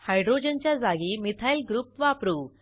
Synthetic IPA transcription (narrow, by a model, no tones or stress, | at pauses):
hajɖɾod͡ʑənt͡ɕjad͡zaɡimit̪ʰajlɡɾupʋapɾu